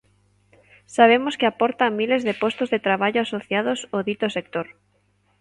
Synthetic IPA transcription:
saβ̞emoskɪapɔɾt̪amilezðepost̪ozðet̪ɾaβ̞aʎoasoθjað̞osoðit̪osek̚t̪oɾ

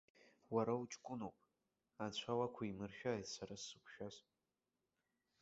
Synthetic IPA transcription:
waɾaut͡ʃʼkʷʼʊnowpʼ | at͡ɕʷʰawakʷʰaimɨrʃᶣajtʼsaɾasːɨkʷʰʃᶣaz

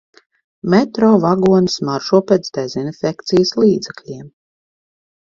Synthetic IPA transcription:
mɛt̪ɾɔːvaɡuɔnsmaɾʃuɔpɛt̪sd̪ɛzinfʲɛkt̪sijsliːd̪zɛklʲiɛm

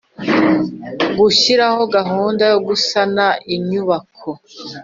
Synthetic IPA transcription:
ɡuɕiɾaho̞ɡaɦuːndajoɡusanaʔiɲuβakʰo

